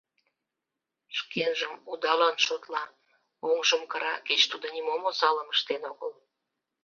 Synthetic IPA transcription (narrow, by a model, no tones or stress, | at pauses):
ʃkʰenʒəmud̪ɑlɑnʃot̪lɑ | oŋʒəmkəɾɑket͡ɕt̪ud̪onimomosɑləməʃt̪enoɣəl